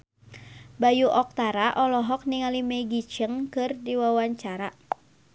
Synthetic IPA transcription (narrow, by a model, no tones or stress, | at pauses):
bajuʔɔk̚t̪aɾaʔɔlɔɦɔk̚niŋalimɛɡit͡ʃəŋkɨrdiwawaɲt͡ʃaɾa